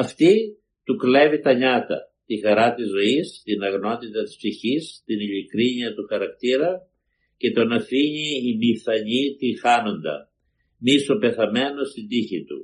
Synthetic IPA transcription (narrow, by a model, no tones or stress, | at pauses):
ɐft̪i | t̪ukle̞vit̪ɐɲɐt̪ɐ̰t̪ixɐɾɐt̪izːo̞ist̪inɐɣno̞t̪it̪ɐt̪i̥spsiçist̪iniʎikɾiɲiɐt̪uxɐɾɐk̚t̪iɾɐ | ce̞t̪o̞nɐθiɲiːmiθɐɲit̪ixɐno̞nd̪ɐ̰ | miso̞pe̞θɐme̞no̞st̪ind̪içit̪ṵ